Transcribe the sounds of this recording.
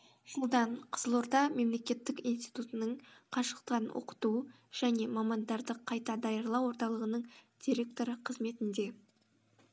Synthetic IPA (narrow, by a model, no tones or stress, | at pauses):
ʒ̥əlˠd̪ɑɴqʰə̥zəlˠo̞ɾd̪ɑme̞mle̞kʲe̞t̪ːɪkʲijnst̪ijt̪ut̪ənəɴqʰɑʃə̥qt̪ɑɾnwʔo̰qə̥t̪u | ʒ̥æne̞mɑmɑnd̪ɑɾd̪əqʰːɑjt̪ɑd̪ɑjəɾlˠɑwo̞ɾt̪ɑlˠəʁənəɴd̪̥ʲiɾʲe̞k̚t̪o̞ɾəqʰəzme̞t̪ɪnd̪e̞